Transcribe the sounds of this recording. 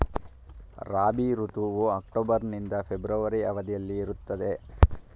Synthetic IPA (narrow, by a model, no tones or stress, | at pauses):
ɾaːbiɾut̪uʋuɐk̚ʈoːbɐɾnind̪ɐpʰebɾɐʋɐɾiɐʋɐd̪ijɐlːiːɾut̪ːɐd̪e̞